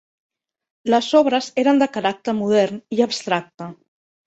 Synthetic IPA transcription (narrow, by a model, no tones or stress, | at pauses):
lasɔβ̞ɾaseɾand̪əkaɾak̚t̪əɾmuð̞ɛɾniaβst̪ɾak̚t̪a